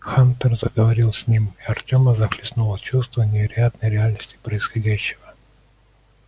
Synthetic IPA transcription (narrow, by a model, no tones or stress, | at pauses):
xant̪ərzəɡəvɐɾʲilˠsʲnʲimiɐrtʲoməzɐxlʲɪsnulˠət͡ɕust̪vənʲɪvʲɪɾɐjat̪nəjɾʲɪalʲnəsʲtʲɪ̥pɾəɪsxɐdʲæɕːɪvə